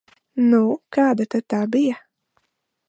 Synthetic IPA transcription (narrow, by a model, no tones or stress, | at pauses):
nukaːd̪at̪at̪aːbija